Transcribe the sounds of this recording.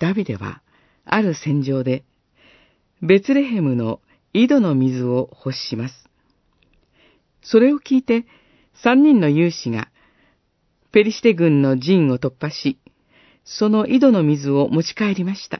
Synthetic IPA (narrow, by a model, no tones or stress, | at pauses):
d̪̥abʲid̪e̞̰βa̰ | a̰ɾɯ̟sẽ̞ɲ̟d͡ʑo̞ːd̪e̞ | be̞t͡sɨɾe̞ɦe̞mɯ̟no̞ | id̪o̞no̞mʲizɨo̞ho̞ɕi̥imasɨ̥ | so̞ɾe̞o̞kʲiːt̪e̞ | sãɲ̟ːĩnːo̞jɯːɕiŋa̰ | pe̞ɾʲisi̥t̪e̞ɡɯ̟̃nːo̞d͡ʑĩɰ̃o̞t̪o̞pːaɕi | so̞no̞ʔid̪o̞no̞mʲizɨo̞mo̞t͡ɕi̥kae̞ɾʲimaɕi̥t̪a̰